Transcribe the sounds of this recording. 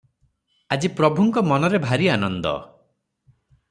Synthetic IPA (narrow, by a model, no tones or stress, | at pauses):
ad͡ʒipɾɔbʱuŋkɔmɔnɔɾebʱaɾianɔnd̪ɔ̰